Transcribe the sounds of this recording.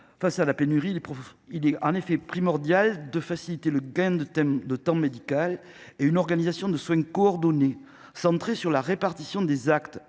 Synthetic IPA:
fasalapenyʁilɛpɔilɛɑ̃nefɛpχimɔʁd̪jald̪əfasilit̪eləɡɛ̃d̪d̪ət̪ɑ̃med̪ikal | eynɔʁɡanizasjɔ̃d̪əswɛ̃kɔɔʁd̪ɔne | sɑ̃t̪χesyʁlaʁepaʁt̪isjɔ̃d̪ezakt̪

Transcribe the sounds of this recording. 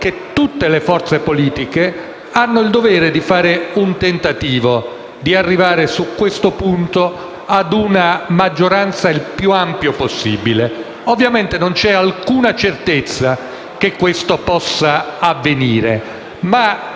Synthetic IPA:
ket̪ːut̪ːelefɔrt̪sepoliːt̪ike | anːoild̪ovɛːɾed̪ifaːɾeunt̪ent̪at̪iːvo | d̪iarːivaːɾesukwest̪opunt̪o | ad̪unamad͡ʒːoɾant̪sailpjuampjoposːibile | ovːjament̪enont͡ʃɛalkuːnat͡ʃert̪et̪sːa | k̟ekːwest̪opɔsːaːvːeniːɾḛ | ma

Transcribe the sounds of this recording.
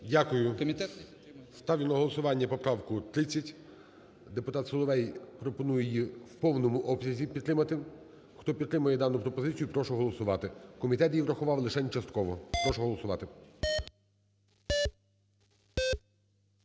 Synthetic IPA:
dʲakʊjʊ | st̪ɑwjʲʊnɐɦɔlˠɔsʊʋɑnʲːɐpɔpɾɑwkʊt̪ɾɪt͡sʲːɐtʲ | d̪epʊt̪ɑt̪sɔlˠɔʋɛjpɾɔpɔnujɛjiwpɔwnɔmʊʔɔbsʲɐzʲipʲit̪ːɾɪmɐt̪ɪ | xt̪ɔpʲid̪t̪ːɾɪmɐjɛd̪ɑnʊpɾɔpɔzɪt͡sʲijʊpɾɔʃʊɦɔlˠɔsʊʋɑt̪ɪkɔmʲit̪ɛt̪jiʋɾɐxʊʋɑwlˠɪʃɛnʲt͡ʃɐst̪kɔʋɔpɾɔʃɔɦɔlˠɔsʊʋɑt̪ɪ

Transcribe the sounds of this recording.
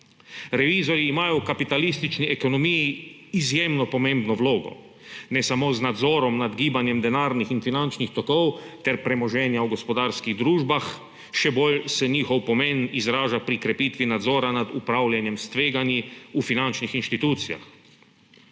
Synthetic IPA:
ɾɛʋiːzɔɾiːmaːjɔkapit̪alist̪it͡ʃniʔɛkɔnɔmiji | izjemnɔpɔmẽmbnɔʋloːɡɔ̰ | nɛsamoːznad̪zɔːɾɔmnad̪ɡiːbanjɛmd̪ɛnaːɾnixinfinant͡ʃnixt̪ɔkɔwt̪ɛɾpɾɛmɔʒɛːnjawɡɔspɔd̪aːɾskiɣd̪ɾuːʒbax | ʃɛbolsɛniːxɔwpɔmɛnizɾaːʒapɾikɾɛpiːt̪ʋinad̪zɔːɾanad̪upɾaːwljanjɛmst̪ʋeːɡanjiufinant͡ʃnixinʃt̪it̪uːt̪sija̰x

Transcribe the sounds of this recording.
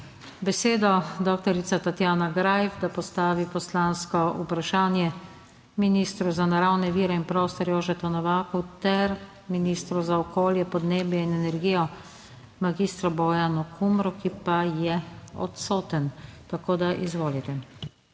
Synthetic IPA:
bɛseːd̪ɔd̪oːk̚t̪ɔɾit̪sat̪at̪jaːnaɡɾajɛfd̪apɔst̪aːʋipɔslanskɔupɾaʃaːnjɛ | minist̪ɾuzanaɾawnɛʋiːɾɛinpɾoːst̪ɔɾjoːʒɛt̪ɔnɔʋaːkut̪ɛɾ | minist̪ɾuzaɔkoːljɛpɔd̪neːbjɛinɛnɛɾɡiːjɔ | maɡist̪ɾɔbɔjanɔkʰumɾɔkipajɛɔ̰t̪soːt̪ənt̪akoːd̪aʔḭzʋoːlit̪ɛ

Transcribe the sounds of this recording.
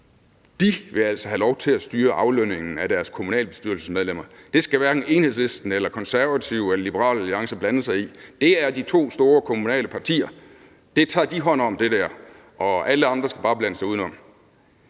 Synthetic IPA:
d̥iʋe̝æl̰sɒɦælɒʊt͡sʰe̝læsd̥yːɐʔɑ̈ʊløn̰e̝ŋn̩æd̥æɐskʰo̝munɛ̰ːləb̥e̝sd̥yɐl̩səsmeðˠlem̰ɐd̥e̝sɡ̥æʋæɐɡ̥n̩e̝nhesle̝sd̥n̩elɐkʰɒ̽nsæɐʋæt͡sʰiʊ̰elɐlibəʁɑ̰̈ːlæliɑ̈ŋsɐb̥lænəsɑ̈ɪid̥e̝æɐd̥it͡sʰo̝̰ːsd̥o̝ːɐkʰo̝munɛ̰ːləpʰɑ̈t͡sʰḭːɐ | d̥e̝t͡sʰɑ̰̈ːd̥iɦɒ̽n̰ɒ̽md̥e̝d̥æɐ̰ | ʔɒ̽æləɑ̈nd̥ʁɐsɡ̥æb̥ɑ̈ːb̥lænəsɑ̈ɪuðˠnɒ̽m̰

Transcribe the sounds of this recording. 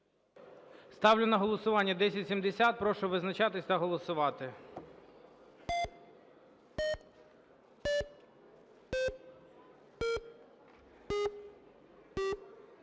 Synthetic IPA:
st̪ɑwlʲʊnɐɦɔlˠɔsʊʋɑnʲːɐd̪ɛsʲɐtʲsʲimd̪esʲat̪̚pɾɔʃʊʋɪznɐt͡ʃɑt̪ɪsʲt̪ɐɦɔlˠɔsʊʋɑt̪ɪ

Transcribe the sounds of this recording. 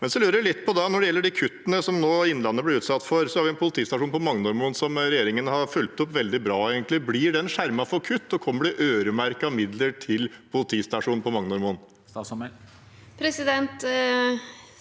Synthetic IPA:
mɛnsɔlʉːɾəʋɪlɪt̪ːpʰɔd̪ɑnɔɖɛjɛlːəɖikʰʉt̪ːənəsɔmnoːɪnːlɑnːəblɪɾʉːt̪sɑt̪ːfɔɾsɔhɑɾʋɪɛnpʰʊlət̪ʰiːst̪ɑʂuːnpɔmɑŋnɔɾmuːnsɔmɾɛjeːɾɪŋənhɑɾfʉlt̪ɔpːʋɛld̪ɪbɾɑːeːɡənt̪lɪblɪɖɛɛnʂæɾmɑfɔɾkʰʉt̪ːɔkʰɔmːəɖɛʔøːɾəmæɾkɑmɪd̪ləʈʰɪlpʰʊlət̪ʰiːst̪ɑʂuːnpɔmɑŋnɔɾmuːn | sm | pʰɾɛsɪd̪ɛnt̪

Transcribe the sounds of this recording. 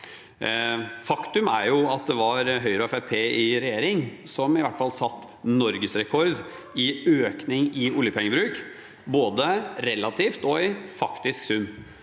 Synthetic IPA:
fɑkt̪ʉmæɾjʊɑt̪̚d̪ɛʋɑɾɦœʏɾəɔɛfæɾpʰeːɪɾɛjeːɾɪŋsɔmɪʋæʈːfɑlsɑt̪ː | nɔɾɡəsɾɛkʰɔɾd̪ | ɪøːknɪŋɪʊljəpʰɛŋːəbɾʉːk | boːd̪əɾɛlːɑt̪ʰiːft̪ɔɪfɑkt̪ɪsksʉmː

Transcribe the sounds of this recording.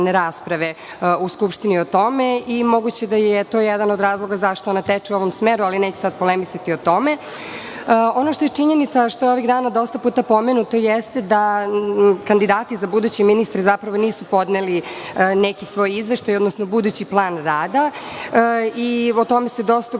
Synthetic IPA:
neɾaːspɾaʋe | uskupʃt̪inio̞t̪o̞meimo̞ɡut͡ɕed̪ajet̪o̞ːjed̪anod̪ɾaːzlˠo̞ɡazaʃt̪oonat̪et͡ʂiuo̞ʋo̞msmeɾualineːt͡ɕu̥sad̪̚po̞lemisat̪iot̪o̞me | o̞noʃt̪ojet͡ʂiɲenit̪saʃt̪ojo̞ʋiɣd̪aːnad̪o̞st̪apuːt̪apo̞menut̪o̞jest̪ed̪a | kand̪id̪aːt̪izabud̪uːt͡ɕeminist̪ɾezapɾaʋo̞niːsupo̞d̪nelinekisʋo̞ːjizʋeʃt̪ajod̪nosno̞bud̪uːt͡ɕiplˠaːnɾaːd̪a | iot̪o̞mesed̪o̞st̪a

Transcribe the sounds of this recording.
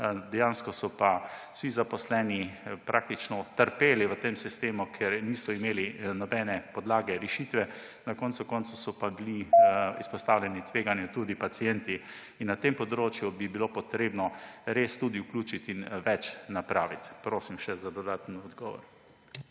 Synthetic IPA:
d̪ɛjaːnskɔsɔpḁ | sizapɔslɛːnipɾʔaːk̚t̪it͡ʃnɔt̪əɾpeːliʋət̪eːmsist̪eːmukʰjeɾniːsɔimeːlinɔbɛːnɛpɔd̪laːɡɛɾɛʃiːt̪ʋɛ | nakɔnt̪sukɔnsusɔpabiliispɔst̪aːwlʲɛnit̪ʋeːɡanjut̪uːd̪ipat̪sijɛnt̪i | inːat̪empɔd̪ɾoːt͡ʃjubibilopɔt̪ɾeːbnɔɾeːst̪ud̪iuklʲuːt͡ʃit̪inʋɛt͡ʃnapɾaːʋit̪pɾoːsimʃɛzad̪ɔd̪aːt̪nɔd̪ɡɔːʋɔ̰ɾ

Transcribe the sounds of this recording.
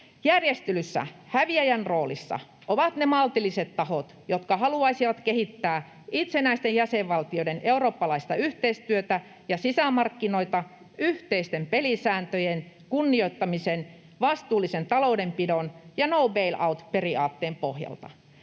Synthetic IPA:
jærjest̪ylysːæ̰hæʋiæjænroːlḭsːɑ̰ | ʔoʋɑt̪nemɑlt̪iliset̪tɑhot̪jot̪kɑhɑluɑisiʋɑt̪kehit̪ːæː | it̪senæist̪ejæseʋʋɑlt̪ioideneuroːpːɑlɑist̪ɑyht̪eist̪yøt̪æ | jɑsisæmɑrkːino̞it̪ɑ | yht̪eist̪empelisæːnt̪øjen | kunːioit̪ːɑmisen | ʋɑst̪uːlːˑisent̪ɑloudempidonjɑnoubeilʔɑut̪periɑ̰ːt̪ːeːmpohjɑ̰lt̪ɑ̰

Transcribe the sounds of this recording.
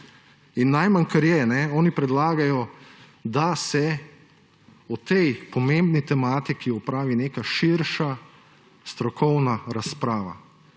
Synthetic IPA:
inːajmaŋkɐɾjɛnɛɔːnipɾɛd̪laːɡajɔ | d̪asɛ | ɔt̪ɛjpɔmẽmbnit̪ɛmaːt̪ikiɔpɾaːʋineːkaʃiɾʃa | st̪ɾɔkʰɔwnaɾaspɾaːʋa̰

